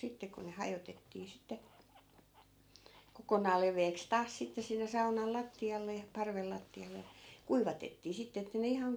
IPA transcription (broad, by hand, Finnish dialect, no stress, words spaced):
sitːe ku ne hɑjotetːiː sitːe kokonɑːl leʋˑeːks tɑːs sitːe sinːe sɑunɑl lɑtːiɑlːe jɑ pɑrʋel lɑtːiɑle jɑ̥ kuiʋɑtetːiː sitːe etːæ ne ihɑŋ